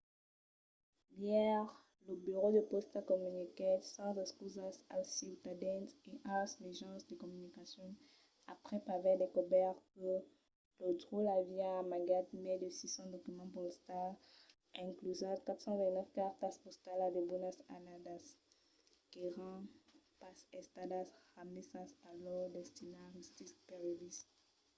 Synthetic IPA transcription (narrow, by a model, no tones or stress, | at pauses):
ljɛʁ | ləbyʁod̪əpɔst̪alkɔmynikesɑ̃zɛkspuzasa̰lsiwt̪ad̪ɛ̃nteʔãsleʒɑ̃sd̪əkɔmynikasjɔ̃ | apχɛpavɛd̪ekɔbɛʁkə | lod̪ʁulaviaːmaɡat̪mɛd̪esisɔ̃d̪ɔkymɑ̃pɔst̪al | ɛ̃klyzãkat̪sɑ̃vɛ̃t̪nɛfkaʁt̪aspɔst̪alad̪ebonasa̰nad̪as | keʁɑ̃ | pasɛst̪adasʁamisasalɔʁd̪ɛst̪inaʁist̪ispeʁjɔdis